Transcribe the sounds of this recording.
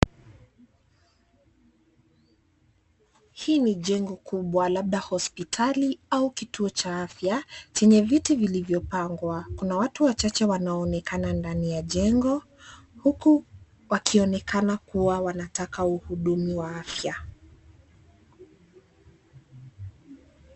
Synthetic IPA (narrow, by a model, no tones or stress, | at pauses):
hiːniʄɛŋɡɔkuɓwalaɓ̚ɗahɔspitʰaliaukituɔt͡ʃaafjat͡ʃɛɲɛvitivilivjɔpaŋɡwakunawatuwat͡ʃat͡ʃɛwanaɔːnɛkanandanijaʄɛŋɡɔ | huku | wakʰiɔnɛkanakuwawanatakauhuɗumiwaafja